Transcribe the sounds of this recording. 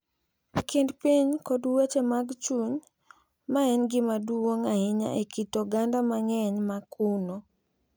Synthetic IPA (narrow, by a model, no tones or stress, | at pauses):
kindpiɲkɔdwet͡ʃemaɡt͡ʃuɲ | maɛnɡɪmaduoŋahɪɲa̰ʔekitoɡandamaŋɛɲmakʰuno